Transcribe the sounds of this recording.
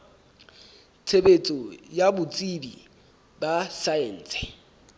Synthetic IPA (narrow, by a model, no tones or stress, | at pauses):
t͡sʰebet͡sʼɔjabʊt͡sʼibḭ | basaen̩ːt͡sɛ̥